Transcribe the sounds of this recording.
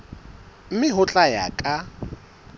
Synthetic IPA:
m̩mɪɦʊt͡ɬʼaja̰kʼa

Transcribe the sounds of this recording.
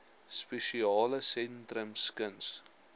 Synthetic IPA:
speʃiɑːləsɛntrəmskəns

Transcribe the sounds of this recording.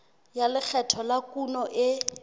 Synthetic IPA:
jalɪk͡xʰɛtʰɔlakunɔʔɪ

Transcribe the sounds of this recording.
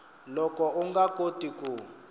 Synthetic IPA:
lɔkɔuŋɡakotiku

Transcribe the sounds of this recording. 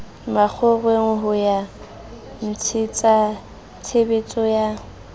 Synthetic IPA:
mak͡xʰɔɣweŋ̩ɦʊja | n̩t͡sʰɪt͡sʼa | t͡sʰebet͡sʼɔja

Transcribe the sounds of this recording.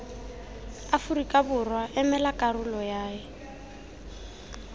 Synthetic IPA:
afuɾikʼabʊrwaʔɛmɛlakʼaɾʊlɔjaːɪ

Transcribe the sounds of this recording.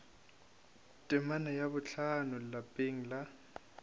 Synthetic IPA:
tʼɪmanajaβʊt͡ɬʰanʊlapʼeŋ̩la

